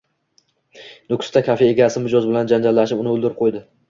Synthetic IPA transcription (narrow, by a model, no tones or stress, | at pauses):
nʊkʲst̪akʲʰafee̞ɡʲasɪmʊd͡ʒɒzbɪland͡ʒand͡ʒalːaʃ̬ɪpʊnɪolˠd̪ɪɾɪp̚qʰojd̪ɪ